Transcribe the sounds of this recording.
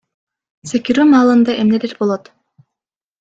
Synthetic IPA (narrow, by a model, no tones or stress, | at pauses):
sekiɾymɑːlˠɯnd̪ɑʔemneleɾbolˠot̪